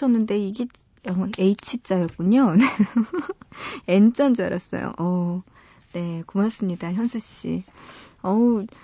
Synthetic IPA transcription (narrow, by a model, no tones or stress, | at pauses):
ʌnːɯnde̞iɡe | ʌeit͡ɕʰit͡ɕ͈ajʌk̚k͈uɲone | ent͡ɕ͈and͡ʑua̰ɾʌs͈ʌ̰jo̰ʔʌ | ne̞kumas͈ɯmɲidaçjʌnsʰuɕ͈ḭ | ʌ